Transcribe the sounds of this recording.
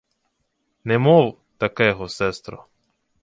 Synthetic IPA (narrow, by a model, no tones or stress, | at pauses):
nɛmow | t̪akɛɦosɛst̪ɾɔ̰